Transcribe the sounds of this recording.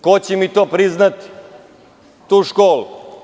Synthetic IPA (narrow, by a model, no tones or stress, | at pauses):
kot͡ɕemit̪oːpɾiznat̪i̥ | t̪uːʃkoːlu